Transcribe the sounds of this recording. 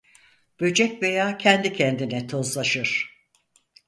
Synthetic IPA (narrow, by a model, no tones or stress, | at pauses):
b̥ø̞d͡ʒɛcvejaːcʰɛnd̪icʰɛnd̪inɛt̪ʰo̞zlˠaʃɯɾ̥